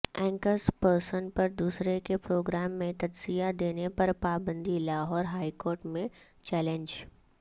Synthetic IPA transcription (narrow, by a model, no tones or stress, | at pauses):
ɛ̃ːŋkəspəɾsənpɐɾd̪uːsɾekepɾoːɡɾaːmːẽt̪ɐd͡ʒzijad̪eːnepɐɾpaːbə̃nd̪ilaːɦɔːɾɦaːikoːɾʈmẽ | t͡ʃɛːlẽɲd͡ʒ